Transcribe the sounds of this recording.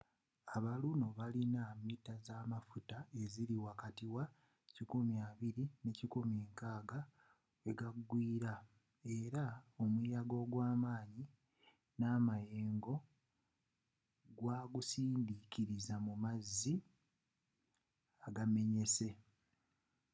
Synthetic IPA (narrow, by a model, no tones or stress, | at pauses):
aβaluno̞βalinamitːazaːmafutae̞ziliwakatiwa | cikumjaːβiɾine̞cikumeːŋkaːɡa | eɡaɡːwiːɾa | e̞ɾaomwiːjaɡo̞ɡwaːmaːɲi | naːmaje̞ːŋɡo̞ | ɡwaːɡusiːndiciɾizamumazːi | aɡame̞ɲe̞se̞